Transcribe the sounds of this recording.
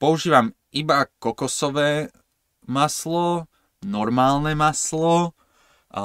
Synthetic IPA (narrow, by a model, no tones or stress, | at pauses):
pɔuʒiːʋam | ibakɔkɔsɔʋɛː | maslɔ | nɔɾmaːlnɛmaslɔ | ʔa̰